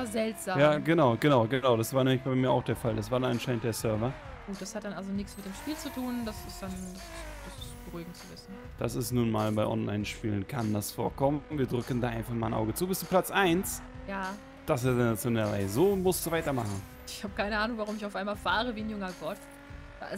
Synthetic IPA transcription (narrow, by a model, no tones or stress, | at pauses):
azɛltz̥aːjamːɡənaʊɡ̥ənaʊɡənaʊdasv̥aːɐnɛːmɪçb̥aɪmiːɐʔa̰ʊxd̥eːɐfaldasv̥aːɐdananʃaɪnəntd̥eːɐsœɐvɐ | ɡ̥uːt̚d̥ashat̚d̥anʔalzonɪçt͡smɪt̚d̥eːmʃpiːlt͡sutʰuːndasɪsd̥ansd̥asɪb̥əʁuːɡŋ̩t͡suvɪsn̩ | d̥asɪstnuːnmaːlbaɪʔɔ̰nla̰ɪnʃpiːlənkʰandasfo̰ːɐkʰɔməviːɐdʁʏkəndaːʔaɪnfaχmaːlnʔa̰ʊɡət͡suːbɪsd̥uːpʰl̥at͡sʔaɪnsjaː | d̥as̬ɪdɛnasndeːɐʁa̰ɪzəzoːmʊstduːvaɪtɐmaχn̩ | ɪçhaːbəkʰaɪnəʔaːnʊŋvaʁʊmɪçaʊfʔaɪnmaːlfaːʁ̞əviːnjʊŋɐɡɔtf | a